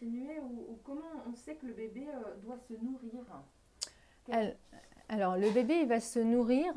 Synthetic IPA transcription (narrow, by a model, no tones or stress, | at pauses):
ineuukɔmɑ̃ɔ̃sɛkələbebeød̪wasənuʁiʁ | alɔʁləbebevasənuʁiʁ